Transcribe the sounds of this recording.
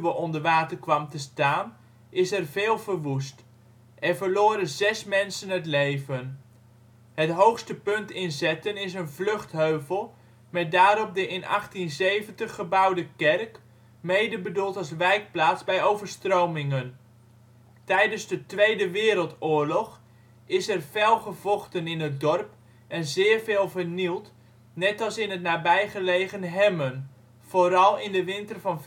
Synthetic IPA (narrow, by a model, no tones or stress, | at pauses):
ʋəɔndəɹʋaːtəɹkʋɑmtəstaːn | ʔɪsɛrveːlˠvəɹʋust | ʔɛɹvəɹlʊːɾənzɛsmɛnsənɦətlejvən | ɦətɦowχstəpɵntɪnzɛtənɪs̬ənvlɵχtɦøɥvəlˠ | mɛt̚daːɾɔp̚dəʔɪnɑ̰χtinzejvəntəχːəbɑwdəkɛrk | mejdəbədulˠtɑlˠs̬ʋɛjk̚plaːtzbɛjowvərstrowmɪŋən | tɛjdənzdətʋejdəʋɪːɾəlˠtʊːɹlɔχ | ɪsɛrfɛlˠχəv̥ɔχtənɪnət̚dɔrp | ɛnzɪːɹvɪːlˠvərnilˠt | nɛtɑlˠsɪnətnaːbɛjχəlejχənɦɛmən | v̥oːɾɑlˠɪndəʋɪntərvɑn